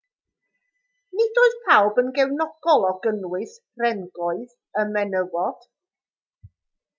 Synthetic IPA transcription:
nidoːɨð̥pʰawbənɡɛwnɔɡ̥ɔlˠɔɡənwɨs | rɛŋɡʊɨð | əmɛnəwɔd̥

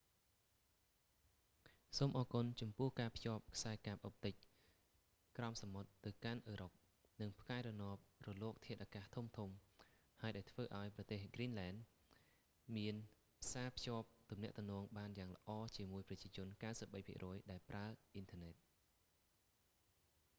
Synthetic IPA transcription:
soːmʔɑːkunt͡ɕɑmpʊ̆əhkaːpʰjoəp̚kʰsaɛkaːp̚ʔop̚t̪ɨc̚ | kraɔmsamot̪ːɨwkanʔəːɾop̚ | nɨŋpʰkaɛɾɔnɔ̆əp̚rɔlɔːk̚t̪ʰiəʔaːkaːht̪ʰumt̪ʰum | haəjɗaɛt̪ʰʋəːʔaɔjprɑt̪eːhɡrinlaːn | miən | pʰsaːpʰjŏəp̚t̪umnɛ̆əʔt̪umnɔːŋɓaːnjaːŋlə̆ʔɑːt͡ɕiəmuəjprɑc̚t͡ɕiət͡ɕʊ̆ənkawsəp̚ɓəjpʰḭəʔrɔːjɗaɛlpraəʔint̪ʰə̆nɛːt̪̚

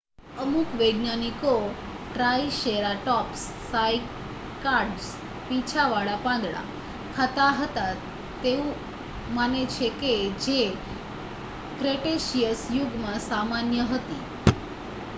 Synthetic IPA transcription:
əmukʋəjɡnanikoʈɾajʃeɾaʈɔpsːaj | kaɾɖs | pit͡ʃʰaʋaɭapãd̪ɭa̰ | kʰat̪aɦət̪a | t̪eũ | manet͡ʃʰeked͡ʒe | kɾeʈeʃijəsjuɡmãsamanjəɦət̪ḭ

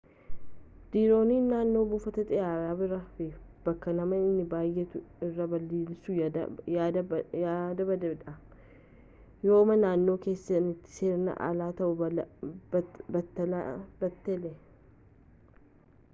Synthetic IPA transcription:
d̪̥iːɾo̞ːniːnnaːnːo̞ːbuːfɐt̪ɐt̪ʼɪjaːɾaːbɪɾɐfɪb̥ɐkːɐnɐmɐɪnːɪbaːjʔet̪ʊɪrːɐbɐliːlɪsʊ̰aːd̪ɐaːd̪ɐbɐd̪ɐbɪᶑɐ | jo̞ːmɐnaːnːo̞ːke̞ːsːɐnɪt̪ːɪ̥se̞ːɾnɐ̰ʔɐ̰laːt̪ɐʔʊɐ | bɐt̪ːɐlabɐt̪ːɛlɛ

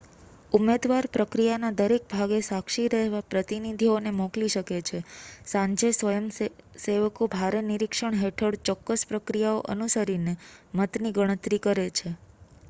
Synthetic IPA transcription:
umed̪ʋaɾpɾəkɾijanad̪əɾek̚bʱaɡesakʃiɾəɦʋapɾət̪inid̪ʱionemɔkliʃəket͡ʃʰesãɲd͡ʒesʋəjəmseʋəkobʱaɾenɪɾikʃəɳ̃ɦeʈʰəɽt͡ʃɔkːəspɾəkɾijaoʔə̰nusəɾinemət̪niɡəɽ̃ət̪ɾikəɾet͡ʃʰe

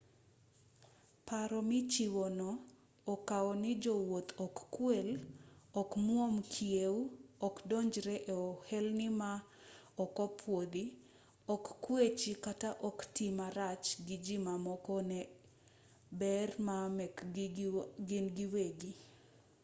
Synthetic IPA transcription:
paɾɔmɪt͡ʃiwonɔː | kawɔnɪd͡ʒɔwot̪ʰɔkːwelɔkmwomkʰiewɔkdɔɲd͡ʒɾɛʔeɔhɛlnɪmaɔkɔpʰwod̪i | ɔkːwet͡ʃikataʔɔktimaɾat͡ʃɡɪd͡ʒimamɔkɔnɛ | bɛrmamɛk | ɡɪnɡiweɡi

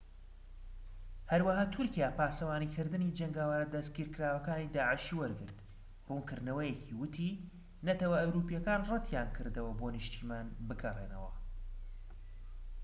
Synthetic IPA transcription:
hɐɾwaɦaːt̪ʰʊɾcijaːpaːsɐwaːniːkʰɨɾd̪ɨniːd͡ʒɐŋɡaːwaɾɐd̪ɐsɡiːɾkɨɾaːwɐkaːniːd̪aːʕɨʃiwɐɾɡɨ̰ɾt̪ | ruːkɨɾd̪nɐwɐjekʰiwʊt̪ʰiː | nɐt̪ɐwɐɐwɾuːpijɐkaːnrɨt̪ʰjaːnkʰɨɾd̪ɐwɐbonɨʃt̪ʰiːmaːnbɨkʰɐrḛːnɐ̰wɐ̰

